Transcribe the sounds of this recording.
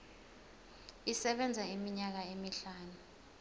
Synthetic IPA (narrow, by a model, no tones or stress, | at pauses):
isɛɓɛnd͡zʱaimiɲak̬aemiɬaːnu